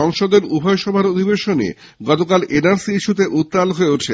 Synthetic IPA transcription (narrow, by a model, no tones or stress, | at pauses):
ɔŋʃod̪eɾubʱɔjoʃɔbʱaɾod̪ʱibeʃonḭ | ɡɔt̪okalʔenaɾsiiʃut̪̬eʔut̪ːalɦoeuʈʰe